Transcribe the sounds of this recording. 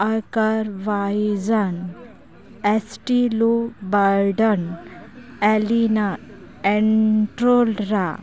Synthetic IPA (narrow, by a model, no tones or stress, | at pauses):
əɾkaɾʋaid͡zan | esʈilobaɾɖən | ɛlina | eɳʈɾolɾa